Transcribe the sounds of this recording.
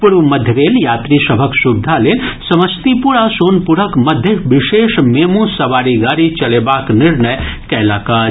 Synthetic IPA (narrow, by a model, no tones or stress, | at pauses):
puɽumɐd̪ʱjəʋeːljaːt̪ɾisɐbʱəksubd̪ʱaleːnsɐʋəst̪ipuɽasoːnpuɽəkmɐd̪ʱjəʋɪʃeːʃmeːmũsɐʋaːɾiɡaːɾit͡ʃɐleːbaːknɪɾnəjkɛɦlaːkaː